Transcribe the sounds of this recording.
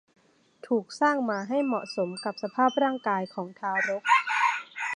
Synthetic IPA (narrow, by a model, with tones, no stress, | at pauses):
t̪ʰuː˨˩k̚saː˥˩ŋmaː˧ɦa˥˩jmɔ˨˩ʔso˩˦mka˨˩p̚sa˧pʰaː˥˩p̚ɾaː˥˩ŋkaː˧jkʰɔː˩˦ŋt̪ʰaː˧wɾo˦˥k̚